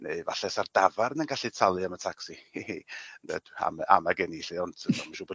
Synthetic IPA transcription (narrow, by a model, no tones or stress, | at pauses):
neɨva̰ɬɛsardavaɾənənɡaɬitʰalˠɨamətʰaksiend̥ɛ̰d̥a̰ma̰maɡɛniɬiɔntʰənɔmaʃuːbo